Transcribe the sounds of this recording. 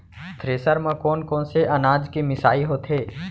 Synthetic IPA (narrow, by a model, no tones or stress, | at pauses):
t̪ʰɾeːsəɾmɐ̃koːnkoːnseʔɐnaːd͡ʒkemɪsaːiɦoːt̪ɦeː